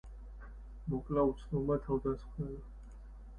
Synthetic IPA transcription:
mɔkʼlaut̪sʰnɔbmat̪ʰavd̪asχnɛla

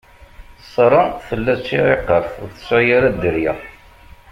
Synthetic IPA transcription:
sˤːɾˤənθəlːæt͡sːiʁeqːəɾθʊɾθə̥sjaɾæd̪əɾjæ̰

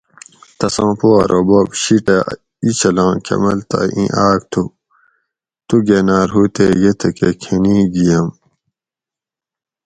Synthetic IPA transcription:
t̪ɐsãːpuɐɾʔobobɕiʈɐ | it͡ɕʰɐlãːkʰɐ̰mɐlt̪ɐ̰ḭ̃ʔaːk̚t̪ʰu | t̪uɡeːnaːɾɦuːt̪ejet̪ʰɐkekʰenĩːɡijɐm

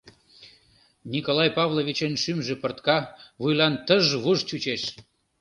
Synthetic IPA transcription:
nʲikolˠɑjpɑvlˠoβʲit͡ɕenʃymʒepərt̪kɑβujlɑnt̪əʒβuʒt͡ɕut͡ɕeʃ

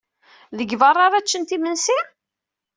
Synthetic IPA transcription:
ðəɡvɑrˤːɑɾˤæt͡ʃːənt̪imənsi

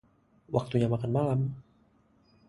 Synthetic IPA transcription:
wʔak̚t̪uɲamakanmalam

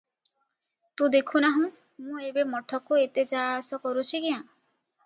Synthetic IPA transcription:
t̪ũd̪ekʰunaɦũ | mũebemɔʈʰɔkuet̪ed͡ʒasɔkɔɾut͡ʃʰikiã

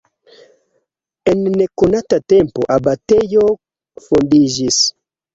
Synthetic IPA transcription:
ɛnːekonatatɛmpoʔabatɛjo | fundiʒis

